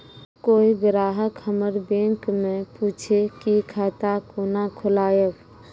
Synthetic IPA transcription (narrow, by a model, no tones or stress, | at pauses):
koːiɡɾaːɦəkhəməɾbẽŋkmẽpuːt͡ʃʰekikʰaːt̪akonakʰʊlaːjəb